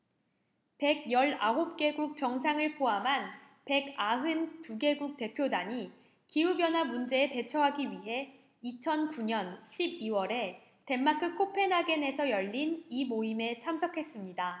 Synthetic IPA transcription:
pe̞ɡ̚jʌɭaɦop̚k͈e̞ɡuk̚t͡ɕʌŋs̬ʰaŋɯɭpʰoɦamɦan | pe̞ɡaɦɯntuɡe̞ɡuk̚t͈e̞pʰjodaɲi | kiubjʌnɦwamund͡ʑe̞ːte̞t͡ɕʰʌɦaɡiɥiɦe̞ | it͡ɕʰʌnkuɲʌnɕʰibiwʌɾe̞ | te̞mːakʰɯkʰopʰe̞nɦaɡe̞ne̞sʰʌjʌʎːinimoime̞t͡ɕʰamsʰʌkʰe̞s͈ɯmɲida

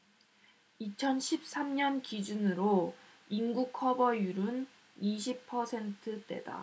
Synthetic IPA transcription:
it͡ɕʰʌnɕʰip̚s͈amɲʌnkid͡ʑunɯɾo | inɡukʰʌbʌjuɾɯn | iɕʰipʰʌsʰe̞ntʰɯt͈e̞̰da̰

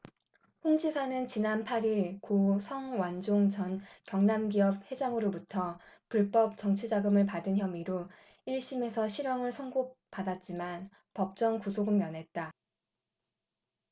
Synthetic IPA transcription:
ɸoŋd͡ʑisʰanɯnt͡ɕinanpʰaɾiɭkosʰʌŋwand͡ʑoŋt͡ɕʌnkjʌŋnamɡiʌp̚he̞d͡ʑaŋɯɾobutʰʌpuɭp͈ʌp̚t͡ɕʌŋt͡ɕʰid͡ʑaɡɯmɯɭpadɯnçjʌmiɾo | iɭɕ͈ime̞sʰʌɕʰiɾjʌŋɯɭsʰʌŋɡopadat̚t͡ɕ͈iman | pʌp̚t͡ɕ͈ʌŋkusʰoɡɯmːjʌnɦe̞t̚t͈a

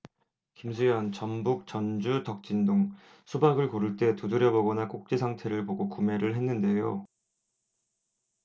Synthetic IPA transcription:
kimsʰujʌnt͡ɕʌnbuk̚t͡ɕʌnd͡ʑutʌk̚t͡ɕ͈indoŋ | sʰubaɡɯɭkoɾɯɭt͈e̞tudɯɾjʌboɡʌnak͈ok̚t͡ɕ͈isʰaŋtʰe̞ɾɯɭpoɡokume̞ɾɯɭɦe̞nːɯnde̞jo

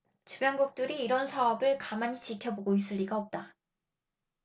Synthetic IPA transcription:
t͡ɕubjʌnɡuk̚t͈ɯɾiːɾʌnsʰaʌbɯɭkamaɲit͡ɕikʰjʌboɡois͈ɯɭːiɡaʌp̚t͈a

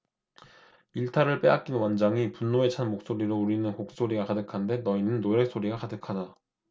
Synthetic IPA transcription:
iɭtʰaɾɯɭp͈e̞ak̚k͈inwand͡ʑaŋipunːoe̞t͡ɕʰanmok̚s͈oɾiɾouɾinɯnkok̚s͈oɾiɡakadɯkʰande̞nʌinɯnːoɾjek̚s͈oɾiɡakadɯkʰada

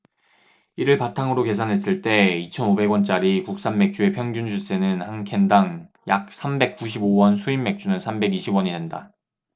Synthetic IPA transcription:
iɾɯɭpatʰaŋɯɾoke̞s̬ʰanɦe̞s͈ɯɭt͈e̞it͡ɕʰʌnobe̞ɡwʌnt͡ɕ͈aɾikuk̚s͈amːe̞k̚t͡ɕ͈ue̞pʰjʌŋɡjund͡ʑʰus͈e̞nɯnhaŋkʰendaŋ | jak̚s͈ʰambe̞k̚k͈uɕ̬ʰibowʌnsʰuimːe̞k̚t͡ɕ͈unɯnsʰambe̞ɡiɕʰibwʌɲidenda̰

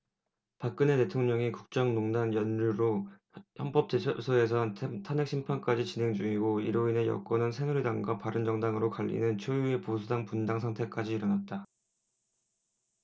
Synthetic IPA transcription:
pak͈̚ɯne̞te̞tʰoŋɲʌŋikuk̚t͡ɕ͈ʌŋnoŋdanjʌnːuɾo | çjʌmp͈ʌp̚t͡ɕ͈esʰʌe̞sʰʌnʰtʰanek̚ɕ͈ʰimpʰank͈ad͡ʑit͡ɕine̞ŋd͡ʑuŋiɡoḭɾoine̞jʌ̰k͈ʌnɯnsʰe̞ŋuɭidaŋɡwapaɾɯnd͡ʑʌŋdaŋɯɾokaʎːḭnɯnt͡ɕʰojue̞posʰudaŋpundaŋsʰaŋtʰe̞k͈ad͡ʑiːɾʌnat̚t͈a

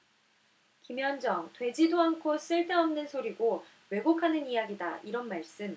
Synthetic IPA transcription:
kimjʌnd͡ʑʌŋtwe̞d͡ʑidoankʰos͈ɯɭt͈ʰeʌmnɯnsʰoɾiɡo | we̞ɡokʰanɯnijaɡidaiɾʌnmaɭs͈ɯm

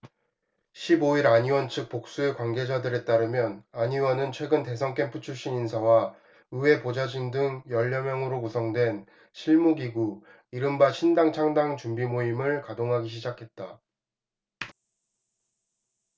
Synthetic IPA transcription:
ɕʰiboiɾaɲiwʌnt͡ɕʰɯk̚p͈ok̚s͈uekwanɡe̞d͡ʑadɯɾe̞t͈aɾɯmjʌnaɲiwʌnɯnt͡ɕʰwe̞ɡɯnte̞s̬ʰʌŋk͈ʰe̞mpʰut͡ɕʰuɭɕ͈ininsʰawa | ɯwe̞pod͡ʑad͡ʑiŋdɯŋjʌʎːʌmjʌŋɯɾokusʰʌŋdwe̞n | ɕʰiɭmuɡiɡu | iɾɯmbaɕʰindaŋt͡ɕʰaŋdaŋt͡ɕumbimoimɯɭkadoŋɦaɡiɕ̬ʰid͡ʑakʰe̞t̚t͈a

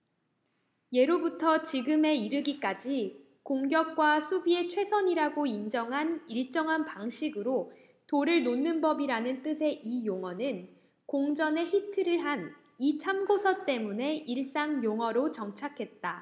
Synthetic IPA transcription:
je̞ɾobutʰʌt͡ɕiɡɯme̞iɾɯɡik͈ad͡ʑi | koŋɡjʌk̚k͈wasʰubie̞t͡ɕʰwe̞sʰʌɲiɾaɡoind͡ʑʌŋɦaniɭt͡ɕ͈ʌŋɦanpaŋɕʰiɡɯɾo | toɾɯɭnonːɯnbʌbiɾanɯnt͈ɯsʰe̞ʔijoŋɦʌnɯn | koŋd͡ʑʌne̞çitʰɯɾɯɭɦan | it͡ɕʰamɡosʰʌt͈e̞mune̞ʔiɭs͈aŋjoŋɦʌɾot͡ɕʌŋt͡ɕʰakʰe̞t̚t͈a

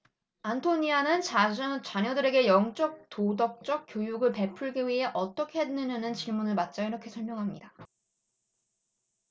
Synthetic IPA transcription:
antʰoɲianɯnt͡ɕt͡ɕaɲʌdɯɾe̞ɡe̞jʌŋt͡ɕ͈ʌk̚todʌk̚t͡ɕ͈ʌk͈̚jojuɡɯɭpe̞pʰuɭɡiwiɦe̞ʔʌt͈ʌkʰe̞ɦedɯnʌnɯnt͡ɕiɭmunɯɭmat̚t͡ɕ͈aiɾʌkʰe̞sʰʌɭmjʌŋɦamɲida

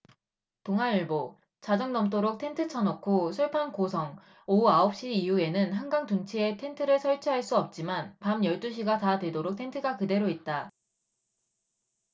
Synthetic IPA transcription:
puŋɦaɯɭbo | t͡ɕad͡ʑʌŋnʌmt̬͈oɾok̚tʰe̞ntʰɯt͡ɕʰʌnʌkʰosʰuɭpʰankosʰʌŋ | ouaʌp̚ɕ͈iːjue̞nɯnɦanɡaŋtunt͡ɕʰie̞tʰe̞ntʰɯɾɯɭsʰʌɭt͡ɕʰiɦaɭs͈uʌp̚t͡ɕ͈imanpamjʌɭt͈uɕ̬ʰiɡatatwe̞doɾok̚tʰe̞ntʰɯɡakɯde̞ɾoit̚t͈a

